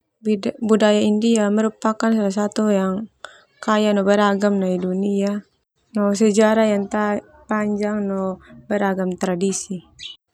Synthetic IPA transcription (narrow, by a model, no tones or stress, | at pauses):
budajaindiaməɾupakans̬alas̬at̪ujaŋ | kajanɔbɛɾaɡamnaidunia | nɔs̬ɛd͡ʒaɾajaŋt̪a | paɲd͡ʒaŋnɔbɛɾaɡamt̪ɾadisi